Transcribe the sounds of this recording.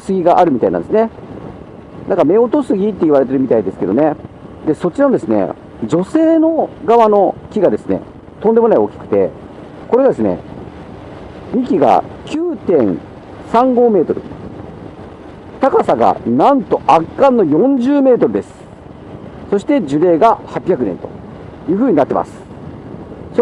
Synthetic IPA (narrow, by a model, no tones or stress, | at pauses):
sɨɡʲiɡaʔaɾɯ̟mʲit̪a̰inã̰nd̪esɨne̞ | nãŋkame̞o̞t̪o̞sɨɡʲit̪ːe̞iβaɾe̞t̪e̞ɾɯmit̪aid̪e̞sɨ̥ke̞d̪o̞ne̞ | d̪e̞so̞t͡ɕiɾanod̪e̞sɨne̞̰ | d͡ʑo̞se̞ːno̞ɡaβano̞kʲiɡad̪e̞sɨne̞̰ | t̪õnd̪e̞mo̞naio̞kʲi̥kɯ̟̥t̪e̞̰ | ko̞ɾe̞ɡad̪esɨne̞̰ | ɲʲikʲiɡa̰kʲɨːt̪ẽ̞ŋ | sãŋɡo̞ːme̞ːt̪o̞ɾɯ̟̰ | t̪akasaɡa̰nãnt̪o̞ʔakːãnːo̞jõ̞ɲ̟d͡ʑɨːme̞ːt̪o̞ɾɯ̟d̪e̞sɨ̥ | so̞ɕi̥t̪e̞d͡ʑɨɾe̞ːɡahapʲːjakɯ̟nẽ̞̰nt̪o̞̰jɯ̟ːɸɯ̟ːɲ̟inat̪ːe̞ma̰sɨ̥ | s